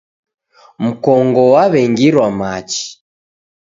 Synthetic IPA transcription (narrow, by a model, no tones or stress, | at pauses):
m̩kɔŋɡɔwaβɛŋɡiɾwamat͡ʃi̥